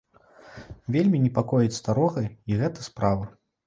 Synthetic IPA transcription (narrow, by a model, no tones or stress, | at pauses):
vʲelʲmʲinʲɛpakɔjɛt͡sʲst̪aɾɔɣɐiɣɛt̪ɐspɾavɐ